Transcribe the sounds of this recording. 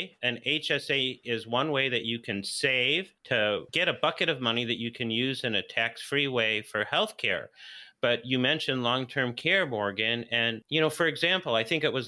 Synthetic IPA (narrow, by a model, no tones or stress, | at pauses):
ɨ̃neɪt͡ʃɛseɪɪzwʌ̃nweɪðɨt͡ʃɨkʰɨ̃nseɪv̥tʰɨɡɛɾəbʌkɨɾʌvmʌniðɨt͡ʃɨkʰɨ̃njʉzɨ̃nɨtʰæksfɹiweɪfə˞hɛlˠθkʰɛ̰ɹb̥ʌt͡ʃɨmɛ̃nʃɨ̃nlɔ̃ŋtʰɜ̃˞mkʰɛɹmɔɹɡɨ̃nɨ̃njɨñoʊfə˞ɨɡzæ̃mpl̩ˠaɪθɪ̃ŋkɨʔ̚wʌz